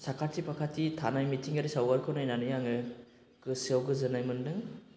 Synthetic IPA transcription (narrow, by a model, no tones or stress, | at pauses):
sakʰatʰipʰakʰatʰitʰanajmitʰiŋɡaɾisawɡaɾkʰɯnajnanɯjaŋɯ | kɯsiawɡɯzɯnajmɯndɯŋ